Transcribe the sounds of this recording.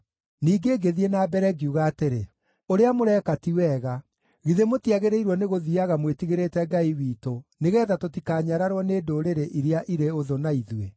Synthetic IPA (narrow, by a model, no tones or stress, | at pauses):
niːɡeːɡeðienaːbɛɾɛɡiuɣaːteɾe | oɾeamoɾɛːkatiwɛːɣa | ɣiðemotiaɣeɾeiɾwɔneɣoðiaɣamwetiɣeɾeːtɛɡaiwiːtoneɣɛːðatotikaːɲaɾaɾwɔneːdoɾeɾeʔiɾeaʔiɾeoðonaiðwe